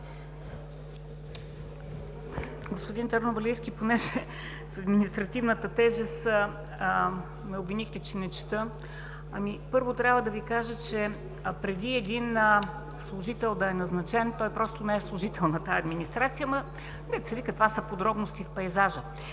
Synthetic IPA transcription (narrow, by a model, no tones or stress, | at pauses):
ɡospʊd̪int̪ɐɾnobɐlʲiskʲiponɛʒɛ | sɐd̪minist̪ɾɐt̪ivnət̪ət̪ɛʒɛs | mɛobvinixt̪ɛt͡ʃɛnɛt͡ʃɛ̥t̪ə | ɐmipɤɾvot̪ɾʲjavəd̪ɐvikaʒət͡ʃɛ | pɾɛd̪iɛd̪in | slˠʊʒit̪ɛlˠd̪ɐɛnɐznɐt͡ʃɛnt̪ɔjpɾɔst̪onɛɛslˠʊʒit̪ɛlˠnɐt̪aɐd̪minist̪ɾat̪sijəmɐ | d̪ɛt̪sɛvikək̪vasəpod̪ɾɔbnost̪ifpɐjzaʒə